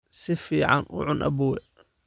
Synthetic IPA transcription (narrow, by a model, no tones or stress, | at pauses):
sɪfiːʕɑnʔʊ̰ʕʊnʔɐ̰buːwɛ